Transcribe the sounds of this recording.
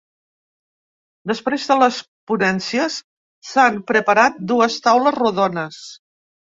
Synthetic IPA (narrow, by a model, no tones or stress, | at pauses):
d̪əspɾezðələs | punɛnsiəsː | ampɾəpəɾat̪̚d̪uəst̪awləzruðɔnəs